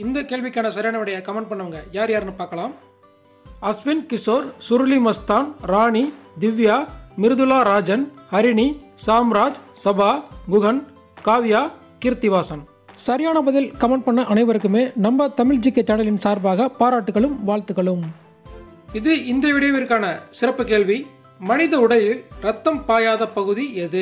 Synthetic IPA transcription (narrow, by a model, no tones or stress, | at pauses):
ɪnd̪ɐkeːɭʋɪkʲːaːnɐsɐɾɪjaːɳɐʋɪɽɐjɐkɐmɐɳɖ̚pɐɳːɐʋɐŋɡɐjaːɾjaːɾnɯpaːɾkɐɭaːm | ɐsʋɪnkɪsoːɾsʊɾlimɐst̪aːnɾaːɳid̪ɪʋjaːmɪɾɯðɯlaːɾaːd͡ʒɐnhɐɾɪɳisaːmɾaːd͡ʒsɐbaːɡʊɣɐn | kaːʋɪjaː | kɪɾt̪ɪʋaːsɐn | sɐɾɪjaːnɐbɐðɪlkɐmɐɳɖ̚pɐɳːɐʔɐnɐɪʋɐɾɯkːɯmeːnɐmbɐt̪ɐmɪɻd͡ʒɪkːɐt͡ʃːɐɽɐlɪnsaːɾbaːɣɐpaːɾaːʈːɯɣɐɭɯmʋaːɭt̪ɯɣɐɭɯm | ɪðɯɪnd̪jɐʋɪɽɐjɐʋɪɾkaːnɐsɪɾɐpːɯkeːɭʋi | mɐnɪðɐʊɽɐjɪlɾɐt̪ːɐmpaːjaːðɐpɐɣɯðiɛðɯ